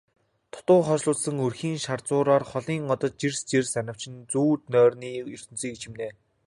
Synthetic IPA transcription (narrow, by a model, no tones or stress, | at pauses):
t̪ʰʊ̥t̪ʊːχɔt͡ɕɮʊːt͡ssə̆ŋɵrxiːŋʃart͡sʊːɾaːrχɔɮiːŋɔt̪ɞ̆t̪̚t͡ɕirst͡ɕersanʲə̆w̥t͡ɕɪ̆nt͡suːt̪nœːrniːɵr̥ʲt̪ɵ̆nt͡siːkʰt͡ɕʰɪ̆mneː